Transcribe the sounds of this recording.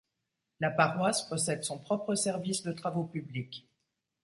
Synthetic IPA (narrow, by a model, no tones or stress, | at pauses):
lapaʁwaspɔsɛd̪sɔ̃pχɔpχəsɛʁvisd̪ət̪χavopyblik